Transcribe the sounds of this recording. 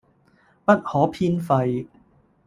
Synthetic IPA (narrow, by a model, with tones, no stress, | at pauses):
pɐ˥t̚hɔː˨˥pʰiː˥nfɐ˧j